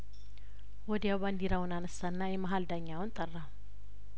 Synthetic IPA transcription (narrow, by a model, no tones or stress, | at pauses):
wɔd̪ijawband̪iɾawʊnanəsːaɨnːajɛmaɦald̪aɲːawʊnt̪ʼərːa